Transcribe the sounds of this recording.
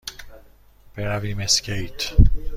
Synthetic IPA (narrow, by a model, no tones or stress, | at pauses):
b̥eɾaviːmeskejt̪ʰ